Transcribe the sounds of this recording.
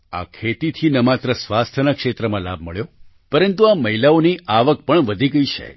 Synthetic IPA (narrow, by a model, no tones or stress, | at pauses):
a̰kʰet̪it̪ʰinəmat̪ɾəsʋast̪ʰənakʃet̪ɾəmãla̰b̚ʱməɭjo | pəɾənt̪uaməɦilaoniʔaʋək̚pəɳʋəd̪ʱiɡəit͡ʃʰḛ